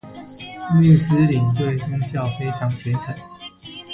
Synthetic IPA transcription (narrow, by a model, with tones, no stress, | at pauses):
mɛ˥˩s̩˥˦li˨˩ŋt̪we˥˩ɪtʊ˥ŋɕjɑ˥˨ʊfe˥ɪʈ͡ʂʰɑ˧˥ŋpʰjɛ˧˥t͡sʰa˨˩˦n